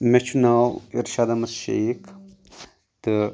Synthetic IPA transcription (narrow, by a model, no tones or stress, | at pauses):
met͡ʃʰunawiɾʃaːd̪amɐsʃḛk | t̪ɨ